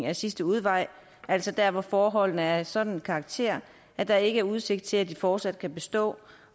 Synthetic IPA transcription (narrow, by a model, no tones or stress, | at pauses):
ŋæsisd̥əuð̞ˠʋɑ̈ɪ̰ | æl̰sɒ̽d̥æɐʋɒfɒːɦɒ̽l̰nəæɐsɒ̽d̥n̩kʰɑ̈ɡ̥̚t͡sʰe̝̰ɐ̰ | æd̥ɑ̈e̝ɡ̥əæɐuð̞ˠse̝ɡ̥d̥̚t͡sʰe̝læd̥ifɒːd̥sæd̥̚kʰæb̥e̝sd̥ɔ̰̽ː